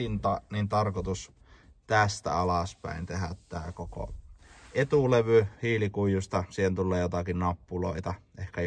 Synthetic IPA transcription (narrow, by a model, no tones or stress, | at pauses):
int̪ɑnint̪ɑrkot̪us | t̪æst̪æ̰ɑlɑspæ̰ˑint̪ehæt̪t̪æːkoko̰et̪uleʋyhiːlikuijust̪ɑsiːhent̪ulːeːjot̪ɑkinnɑpːuloit̪ɑ | ehkæ